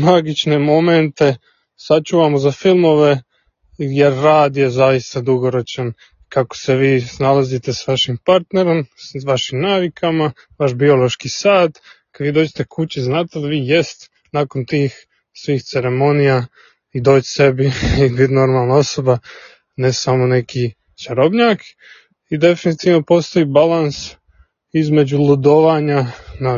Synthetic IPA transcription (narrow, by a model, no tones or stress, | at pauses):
maɡit͡ʃnemo̞ment̪e̞ | sat͡ʃuːʋamozafilˠmo̞ʋe̞ | jeɾːaːd̪jezaist̪ad̪uɡo̞ɾo̞t͡ʃan | kako̥seʋiːsnalazit̪e̞saʋaʃimpaɾt̪ne̞ɾo̞mʋaʃimnaːʋikʰama | ʋaʃbio̞lo̞ʃkisaːd̪kad̪ʋiːd̪oːd͡ʑet̪ekʰut͡ɕiznaːt̪ed̪aʋiːjest̪e̥ | naːko̞nt̪iːx | sʋiːxt̪se̞ɾemo̞nija | id̪o̞ːt͡ɕse̞biibid̪no̞ɾmalˠnao̞so̞ba | nesamo̞ne̞ki | t͡ʃaɾobɲaːk | id̪e̞finit̪iʋno̞po̞st̪o̞ibalans | izme̞d͡ʑulˠud̪o̞ʋaːɲana